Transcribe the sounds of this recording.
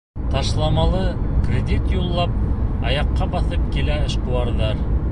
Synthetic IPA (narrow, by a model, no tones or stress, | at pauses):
t̪ɑʃlˠɑmɑlˠɤkrʲed̪ʲit̪julˠːɑp̚ɑjɑqːɑbɑθɤp̚kilæɘ̆ʃquɑɾðɑɾ